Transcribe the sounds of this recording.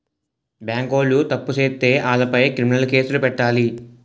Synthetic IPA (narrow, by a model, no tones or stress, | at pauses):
bjaːŋɡo̞ːlːut̪ɐpːuseːt̪ːe̞ːʔaːlɐpɐjkɾiminɐlke̞ːsulupɛʈːaːli